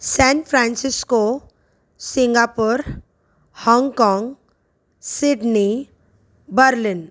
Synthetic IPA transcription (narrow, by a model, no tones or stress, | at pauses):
sɛnfʰɾãnsɪsko | sɪ̃ŋɡapuɾ | hɔ̃ːŋɡkɔ̃ːŋɡ | sɪɖni | bəɾlɪn